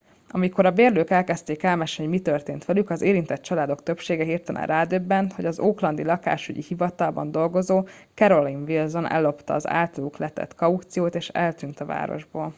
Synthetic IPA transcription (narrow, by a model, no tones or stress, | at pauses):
ʔɒmiko̞ɾɒbeːrløːkɛlkɛst̪eːkɛlmɛʃomit̪ørt̪eːnt̪ʋɛlykɒzeːɾint̪ɛt̪t͡ʃɒlaːd̪o̞kt̪ø̞pʃeːɡɛɦirt̪ɛnʔɛ̰ɾaːd̪øbːɛnt̪ho̞ɟɒzoːklɒnd̪ilɒka̰ːʃyɟḭhivɒt̪ɒlbɒ̰nd̪o̞lɡo̞zoːkɛɾo̞linvilzo̞nʔɛ̰lːo̞pt̪ɒ̰ːza̰ːlt̪ɒluklɛt̪ɛ̰t̪kɒut̪sijoːt̪eːʃɛ̰lt̪ynt̪ɒva̰ːɾo̰ʒbo̰ːl